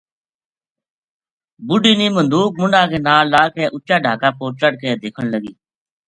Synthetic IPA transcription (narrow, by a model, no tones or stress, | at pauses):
bʊɖiːniːmənd̪uːk̚mʊɳɖãːkeːnaːlaːkʰeːʔʊt͡ʃaːɖʱaːkaːpoːt͡ʃəɽkeːd̪eːkʰəɳləɡḭː